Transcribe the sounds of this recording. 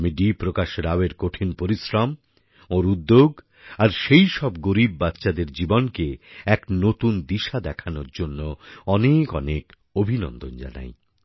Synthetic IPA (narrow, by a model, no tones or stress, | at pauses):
miɖipɾokaʃɾaweɾkoʈʰinpoɾisɾam | oɾud̪ːoɡ | aɾʃejʃɔb̚ɡoɾib̚ːatːɕad̪eɾd͡ʑibonkeɛknot̪und̪iʃad̪ɛkʰanoɾd͡ʑonːoɔnekɔnek | obʱinɔ̰nd̪ond͡ʑa̰na̰j